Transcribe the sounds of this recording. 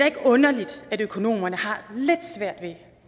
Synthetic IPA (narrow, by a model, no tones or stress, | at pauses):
eæɐe̝ɡ̥əɔ̽nɐlid̥ædøkʰo̝no̝̰ːmɐnəhɑ̈led̥sʋæɐ̰d̥ʋe̝